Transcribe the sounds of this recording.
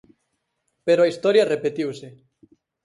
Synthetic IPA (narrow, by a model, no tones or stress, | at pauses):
peɾoɐist̪ɔɾjɐrepet̪iwsɪ